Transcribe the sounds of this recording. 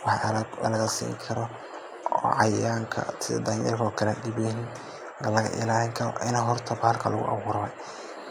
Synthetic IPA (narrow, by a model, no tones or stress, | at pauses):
wɑħllɐ̰lɐɣɐsḭːŋkʰɐɾɔ | ɔ̰ːʕɑjaːŋkʰɐ̰t̪ʰɪd̪ɐjɐ̰rkʰɔːkʰɐlɛɗɪbɛɦɪn | nɐlɐɣɐ̰ʔɪ̰laːlɪŋkʰɐɾɔ̰ʔɪnaɦɔrt̪ʰɐbalkʰɐlʊɣʊ̰ʔɐ̰βuːɾɐɛ